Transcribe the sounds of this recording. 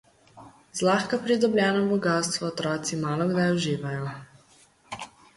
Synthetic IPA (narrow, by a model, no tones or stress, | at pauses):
zlaːxkapɾid̪ɔblʲjɛːnɔbɔɡaːst̪ʋɔːt̪ɾɔːt̪simaːlɔɡd̪ajɔʒiːʋajɔ